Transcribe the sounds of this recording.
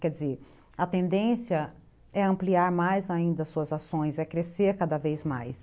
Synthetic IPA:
kɛd͡ʒɪzeɾ | ɐt̪ẽnd̪ẽsiɐ | ɛɐ̃mpliaɾmajzaĩnd̪ɐsuɐzasõj̃sɛkɾeseɾkad̪ɐvejzmajs

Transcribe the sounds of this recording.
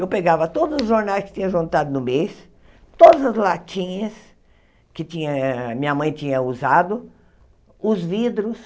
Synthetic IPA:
ewpeɡavɐt̪od̪ʊzʊzʒoɾnajskɪ̥t͡ʃ̪ʲĩɲ̃ɐ̃ʒũnt̪ad̪ʊnʊmejs | t̪od̪ɐzɐzlat͡ʃĩɲɐs | kɪt͡ʃĩɲɐmĩɲɐmɐ̃j̃t͡ʃĩɲɐuzad̪ʊ | ʊzvid̪ɾʊs

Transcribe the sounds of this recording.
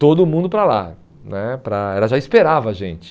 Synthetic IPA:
t̪od̪ʊmũnd̪ʊpɾala̰ | nɛpɾɐɛlɐʒaispeɾavɐʒẽt͡ʃɪ̥

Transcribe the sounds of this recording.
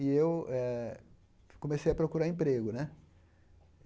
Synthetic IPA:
ɪewɛ | kõmesejɐpɾokuɾaẽpɾeɡʊnɛ

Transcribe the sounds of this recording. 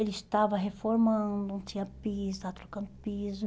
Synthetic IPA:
elist̪avɐɦefoɾmɐ̃d̪ʊ̃t̪ĩɲɐpist̪avɐt̪ɾokɐ̃nd̪ʊpiz

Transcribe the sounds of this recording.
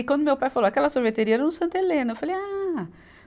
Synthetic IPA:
kwɐ̃nd̪ʊmewpajfalowakɛlɐsoɾvet̪eɾiɐɛɾɐnʊsɐ̃nt̪elẽnʊewfaleja

